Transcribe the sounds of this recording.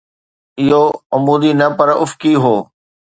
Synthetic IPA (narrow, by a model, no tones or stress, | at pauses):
ɪɦoɐmuːd̪inɐpɐɾʊfkiɦoː